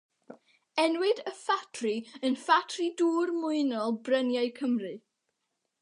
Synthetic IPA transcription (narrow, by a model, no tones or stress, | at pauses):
ɛnwɪdəfatʰriənfatʰriduːrmʊɨnɔlˠbrənjajkʰəmrɨ